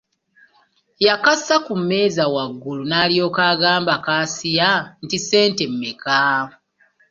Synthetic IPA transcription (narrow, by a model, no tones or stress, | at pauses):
jakasakumːe̞ːzawaɡːulunaːljo̞ːkaːɡaːmbakaːsijantise̞ːntemːeka